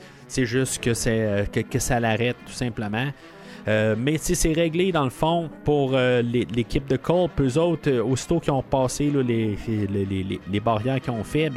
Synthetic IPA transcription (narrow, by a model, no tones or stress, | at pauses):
sɛʒʏst̪kʲəsɛəkəkəsalaʁɛt̪̚t̪ːu̥sɛ̃pləmɑ̃ | ømɛsisɛʁɛɡled̪ɑ̃ləfɔ̃puʁølelekʲɪp̚d̪əkʰɔlpøzɔʊt̪əosi̥t̪okʲjɔ̃ʁpɑːselɔlelelelelebaʁjɛːʁkʲiɔ̃fɛ